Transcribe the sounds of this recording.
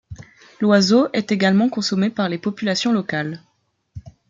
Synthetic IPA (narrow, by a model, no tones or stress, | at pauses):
lwazoʔɛt̪eɡalmɑ̃kɔ̃sɔmepaʁlepɔpylasjɔ̃lɔkal